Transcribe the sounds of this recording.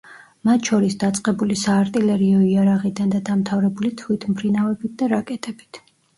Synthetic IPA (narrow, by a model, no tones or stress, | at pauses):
mat̪ʰʃɔɾisd̪at̪sʼqʼɛbulisaːɾt̪ʼilɛɾiɔiaɾaʁid̪and̪ad̪amt̪ʰavɾɛbulit̪ʰwit̪ʰmpʰɾinavɛbit̪̚d̪aɾakʼɛt̪ʼɛb̥it̪ʰ